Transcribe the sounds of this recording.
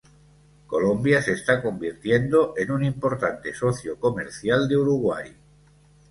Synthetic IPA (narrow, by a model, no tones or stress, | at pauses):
ko̞̰lombjasest̪ako̞mbiɾt̪jend̪oʔenunimpo̞ɾt̪ant̪e̞soθjoko̞meɾθjald̪euɾuɣwa̰j